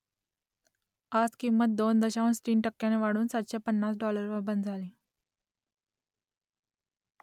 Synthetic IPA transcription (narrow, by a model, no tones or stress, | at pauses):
ad͡zkimːət̪̚d̪ond̪əɕaʋənsʈɾiːɳʈəkːjãneʋaɽ̤uːnsat̪ɕapənːasɖɔləɾʋəɾbənd̪d͡zʱalĩː